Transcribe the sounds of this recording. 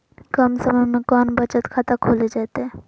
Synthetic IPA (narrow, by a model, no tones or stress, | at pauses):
kəmsəməjmẽkɔːnbət͡ʃət̪kʰat̪akʰoːled͡ʒaːt̪eɦɛ